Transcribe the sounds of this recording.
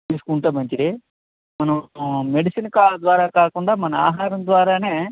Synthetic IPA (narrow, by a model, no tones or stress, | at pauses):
iskuɳʈ̪ɐbɐɲt͡ʃid̪e | mɐnɐmeɖisinkad̪ʋaːɾakaːkoɳɖɐmɐnɐa̰ːɦaːɾɐnd̪ʋaːɾaneː